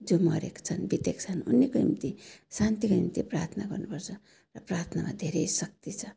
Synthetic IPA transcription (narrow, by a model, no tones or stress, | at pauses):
d͡zomʌɾekt͡sʰʌnbit̪ekt͡sʰʌnunːikoimt̪isant̪ikoimt̪ipra̰rt̪ʰnaɡʌrnupʌrt͡sʰʌ | rʌprart̪ʰnama̰d̪ʱeɾejsʌk̚t̪it͡sʰʌ